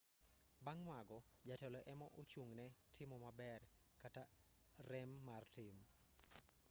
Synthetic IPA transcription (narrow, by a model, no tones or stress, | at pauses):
baŋːwaɡɔ | d͡ʒatɛlɔʔɛmɔʔot͡ʃuŋnɛ | tʰɪmɔmabɛr | kata | rɛmːartɪm